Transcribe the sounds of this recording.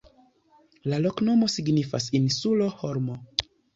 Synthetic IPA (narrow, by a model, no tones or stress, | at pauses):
lalo̞kno̞mo̞siɡnifa̰sinsulo̞hoɾmo